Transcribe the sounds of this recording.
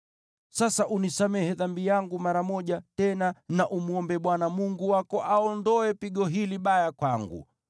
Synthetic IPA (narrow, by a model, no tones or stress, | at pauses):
sasaʔunisamɛhɛðambijaŋɡumaɾamɔʄatɛnanaʔumuɔmbɛɓwanamuŋɡuwakɔʔaɔndɔɛpiɠɔɦiliɓajakwaŋɡṵ